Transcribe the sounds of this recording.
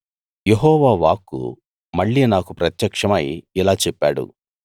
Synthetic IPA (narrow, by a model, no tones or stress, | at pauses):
jeɦɔːʋaːʋaːkːṵ | mɐɭːiːnaːkupɾɐt̪jɐkʂɐmɐjilaːt͡ʃɛpːaːɽṵ